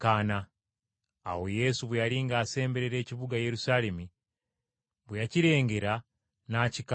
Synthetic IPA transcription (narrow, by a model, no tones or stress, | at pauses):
kana̰ː | woje̞suβwjaliːŋɡaːse̞ːmbe̞ɾeɾe̞ːciβuɡaje̞ɾusale̞mi | βujaciɾe̞ːŋɡe̞ɾa | naːcika